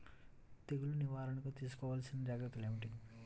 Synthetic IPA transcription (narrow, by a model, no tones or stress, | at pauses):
t̪eɡuluniʋaːɾɐnɐkot̪iːs̬u̥kɔːʋaːlɐsinːɐd͡ʒaːɡɾɐt̪ːɐleːʋiʈi